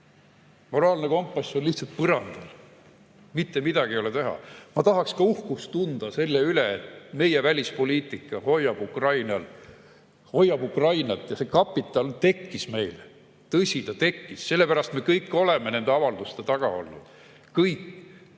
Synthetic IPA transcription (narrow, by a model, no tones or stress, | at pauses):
mo̞ɾɑːlne̞ko̞mpːˑɑsʲo̞nliht̪sɑlt̪̚pɤɾɑnd̪̥ɑl | mit̪ːe̞mid̪̥ɑɡ̥ijo̞let̪e̞ɦɑ̰mɑt̪ɑɦɑkskɑuhkust̪und̪̥ɑse̞lːeyleet̪me̞jevælʲispo̞lʲiːt̪ˑikːˑɑho̞jːɑb̥ukrɑjnɑl | ho̞jːɑb̥ukrɑjnɑt̪ːˑjɑse̞kɑpːˑit̪ːˑɑlt̪e̞kːisme̞jle | t̪ɤsʲit̪ɑt̪e̞kːisse̞lːe̞pæɾɑst̪me̞kɤjkːˑo̞le̞me̞ne̞nd̪eɑvɑld̪ust̪et̪ɑɡ̥ɑ̰o̞̰lnṵd̪̥ | kɤjkː